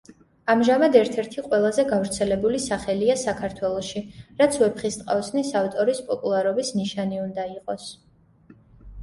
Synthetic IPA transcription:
amʒamad̪ɛɾt̪ʰɛɾt̪ʰiqʼwɛlˠazɛɡavɾt̪sʰɛlɛbulisaχɛliasakʰaɾt̪ʰwɛlˠɔʃiɾat̪sʰwɛpχist̪ʼqʼavsnisaft̪ʼɔɾispʼɔpʼulˠaɾɔbisniʃaniund̪aiqʼɔs

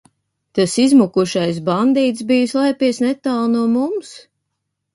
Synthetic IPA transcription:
t̪asizmukuʃajsband̪iːt̪sbijuslˠajpiɛsnɛt̪aːlˠnuɔmums

